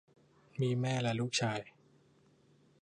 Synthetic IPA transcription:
miː˧mɛː˥˩lɛ˦˧˥luː˥˩k̚t͡ɕʰaː˧j

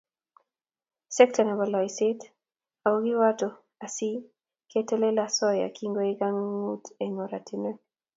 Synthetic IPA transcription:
sɛ˦k̚tɔnɛ˨bɔ˨lɔ˨isɪ˦t | a˨o˦ɡɪ˦wa˦to˨ | a˨si˦ | ke˦te˦le˦lasɔ˦ja̰˨ki˦ŋɡo˦e˦ɡa˦ŋːu˦te˨ŋo˨ɾa˨tʰi˨ne˦

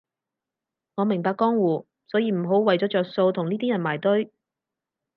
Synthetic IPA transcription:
ŋɔː˨˧mɪ˨˩ŋpaː˧kɔː˥ŋwuː˨˩ | sɔː˨˥jiː˧m̩˨˩ɦo˨˥wwɐ˨jt͡sɔː˨˥t͡sœː˨k̚so˧wt̪ʰʊ˨˩ŋniː˥t̪iː˥jɐ˨˩nmaː˨˩jt̪ɵ˥ɥ

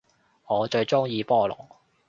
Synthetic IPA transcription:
ŋɔː˨˧t͡ʃɵ˧ɥt͡sʊ˥ŋjiː˧pɔː˥˧lɔ̰ː˨˩˦

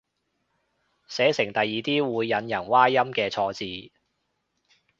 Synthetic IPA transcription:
sɛː˨˥sɪ˨˩ŋt̪ɐ˨jːiː˨˩t̪iː˥wuː˨˧jːɐ˨˧njɐ˨˩nwaː˥jɐ˥mkɛː˧t͡sʰɔː˧t͡siː˨˧

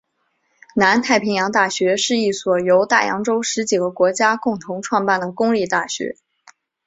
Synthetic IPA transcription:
na˧˥nt̪ʰa˥˩ɪpʰi˧˥ŋjɑ˧˥ŋt̪a˥˩ɕɥɛ˧˥ʂɻ̩˥˧i˥˩swɔ˨˩jo˧˥ʊt̪a̰˥˩jɑ̰˧˥ŋʈ͡ʂo˥ʊʂɻ̩˧˥t͡ɕi˨˩ɡə˦kwɔ˧˥t͡ɕja˥kʊ˥˩ŋt̪ʰʊ˧˥ŋʈ͡ʂʰwɑ˥˧ŋpa˥˩nd̪ə˩kʊ˥ŋli˥˧t̪a˥˩ɕɥɛ̰˧˥

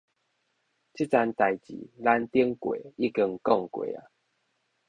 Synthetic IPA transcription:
t͡ɕi˦t͡sa˧nt̪a˨˩jt͡ɕḭ˨˦la˦nt̪i˦əŋkwḛ˨i˦kə˧ŋkɔ˥˨ŋkwḛ˨a̰˨

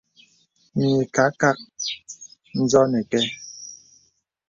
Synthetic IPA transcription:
ɲ˨e˨ka˨˦ka˦k̚ | n̩˦zɔ˦nɛ˨kɛ˦

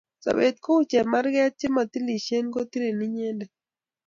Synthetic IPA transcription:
sa̰˨be˨t̪̚ko˦u˦t͡ʃɛ˨ma˦ɾɡɛ˦t̚t͡ʃɪ˦ma˨t̪i˦li˨ʃe˦nko˦t̪i˦ɾe˨ni˦ɲɛ˦ndɛ˨

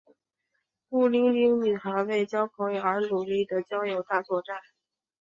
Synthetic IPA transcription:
pu˥˩li˥ŋli˥ŋny˨˩xə˧˥we˥˩ɪt͡ɕjɑ˥ʊpʰɤ˧˥ŋjo˨˩ə˞˧˥nu˨˩li˥˩d̪ə˩t͡ɕjɑ˥ʊjo˨˩ʊt̪a˥˧t͡swɔ˥˧ʈ͡ʂa˥˩n

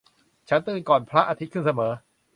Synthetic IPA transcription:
t͡ɕʰa˦˥nt̪ɯː˧nkɔː˨˩npʰɾa˦˥ʔaː˧t̪ʰi˦˥t̪̚kʰɯ˥˩nsa˧mɤː˩˦

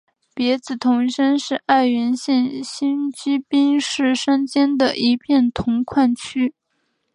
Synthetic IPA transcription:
pjɛ˧˥t͡sɹ̩˨˩t̪ʰʊ˧˥ŋʂə˥nʂɻ̩˥˧ʔa˥˩ɪɥɛ˧˥nɕjɛ˥˩nɕi˥nt͡ɕy˥pi˥ŋʂɻ̩˥˩ʂə˥nt͡ɕjɛ˥nd̪ə˨ʔi˧˥pʰjɛ˥˩nt̪ʰʊ˧˥ŋkʰwa˥˩nt͡ɕʰy˥

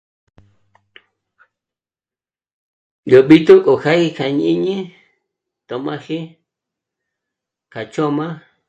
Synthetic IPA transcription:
jo˨ɓi˦t̪u˦kʼo˨xa˦hi˧kʰa˨ɲ˧ĩ˦ɲĩ˦ | t̪o˨mã˧hi˦ | kʰa˨t͡ʃo˦mã˦

